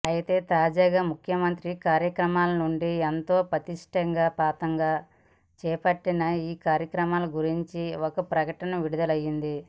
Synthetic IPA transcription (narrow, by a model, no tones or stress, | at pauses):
ɐjit̪e̞ːt̪aːd͡ʒaːɡaːmukʰjɐmɐnt̪ɾikaːɾjɐkɾɐmaːlɐnuɳɖient̪o̞ːpɾɐt̪iʂʈɐŋɡaːpaːt̪ɐŋɡaː | t͡ʃɛːpɐʈːinɐiːkaːɾjɐkɾɐmaːlɐɡuɾiɲt͡ʃiokɐpɾɐkɐʈɐnɐʋiɽud̪ɐlɐjːind̪i